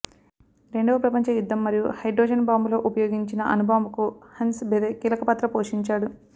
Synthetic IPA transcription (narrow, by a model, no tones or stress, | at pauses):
ɾe̞ɳɖɐʋɐpɾɐpɐɲt͡ʃɐjud̪ːɐmːɐɾijuhɐjɖɾɔːd͡ʒɐnbaːmbulo̞ːʔupɐjoːɡiɲt͡ʃinɐʔɐnubʱaːmbukuhɐnsbʱed̪ekiːlɐkɐpɐt̪ɾɐpoːʂiɲt͡ʃaːɽu